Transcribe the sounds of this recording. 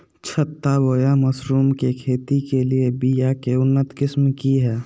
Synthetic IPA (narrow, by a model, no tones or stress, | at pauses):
t͡ʃʰət̪ːaboːjaməsɾuːmkekʰeːt̪ikeliebijakeʊnːət̪kɪsmkiɦɛː